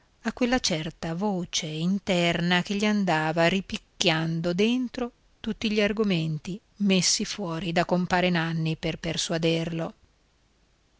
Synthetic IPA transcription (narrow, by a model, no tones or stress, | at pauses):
akːwelːat͡ʃɛrt̪avoːt͡ʃeint̪ɛrnak̟eʎːiand̪aːvaripikːjand̪od̪ent̪ɾo | t̪ut̪ːiʎiarɡoment̪i | mesːifwɔːɾid̪akompaːɾenanːiperperswad̪erlo